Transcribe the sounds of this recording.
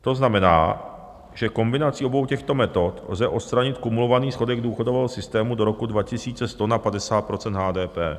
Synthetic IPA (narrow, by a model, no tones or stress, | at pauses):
t̪o̞znamɛna̰ː | ʒ̥ɛko̞mbɪnat͡sio̞bo̞wcɛxt̪o̞mɛt̪o̞t̪lzɛʔo̞t̪st̪ɾaɲɪt̪kumulo̞vaniːsxo̞dɛɡduːxo̞dovɛːɦosɪst̪ɛːmudo̞ɾo̞kudvacɪsiːt͡sɛst̪o̞napadɛsaːt̪̚pɾo̞t͡sɛnd̪ɦaːdɛːpɛ̰ː